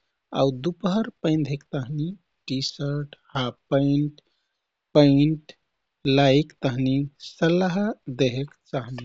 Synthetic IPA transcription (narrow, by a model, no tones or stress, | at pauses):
a̰wd̪upɦəɾpə̃ɪnd̪ʱekt̪əɦni | ʈisəɾʈhapəiɳʈ | pəiɳʈ | laikt̪əɦnisəlaɦd̪eɦekt͡ʃaɦni